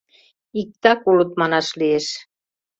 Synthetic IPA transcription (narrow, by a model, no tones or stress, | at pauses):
ik̚t̪ɑkulut̪mɑnɑʃlieʃ